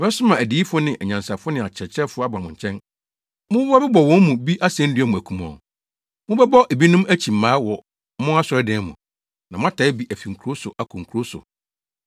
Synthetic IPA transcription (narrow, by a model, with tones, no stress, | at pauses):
ɛ˦sʊ˦mã˨æ˨di˨˦i˦fʊ˦nɪ̃˨ʔæ˨ɲã˨nsa˨fʊ˦ʊ˦nɪ̃˨a˨t͡ɕʰɛ˨t͡ɕʰɛ˦fʊ˦a˦bã˨mʊ̃˨ɲ˨t͡ɕʰɛ̃˦n | mʊ̃˦a˦bɛ˦bɔ˨wɔ̃˦m˦mũ˨bi˦ʔa˦sɛ̃˦n̩˦dɪ˦ɛ˦mũ˨æ˨kʰũ˦mɔ̰̃˨ | mʊ̃˦bɛ˦bɔ˦ʔe˨bi˦nʊ̃˦mæ˦t͡ɕʰi˨m̩ː˨ãː˨˦wɔ˨ | mʊ̃˦a˦sʊ˨ɾɛ˦dɛ̃ː˨˦mʊ̰̃˨ | nã˨mʊ̃˦a˦tʰa˨˦ɪ˦bi˦ʔæ˨fi˨ŋ̩˨kʰo˦sʊ˨ʔa˨kʰũ˨ŋ̩˨kʰu˨ɾo˦sʊ̰˨